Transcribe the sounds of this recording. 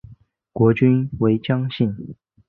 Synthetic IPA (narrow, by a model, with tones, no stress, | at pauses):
kwɔ˧˥t͡ɕy˥nwe˧˥ɪt͡ɕjɑ˥ŋɕi˥˩n